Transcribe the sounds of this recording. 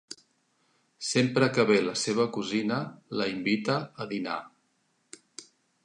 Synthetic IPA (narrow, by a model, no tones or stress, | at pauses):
sempɾəkəβeləseβ̞əkuzinələimbit̪əːðina̰